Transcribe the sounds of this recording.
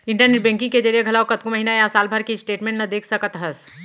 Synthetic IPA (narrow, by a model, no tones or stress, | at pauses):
ɪ̃ɳʈəɾneʈbɛ̃ːŋkɪ̃ŋked͡ʒɐɾijeɡʱɐlaːokɐt̪kũmɐɦinaeasaːlbʱɐɾkisʈeːʈmẽːɳʈnɐd̪eːkʰsɐkət̪ɦɐs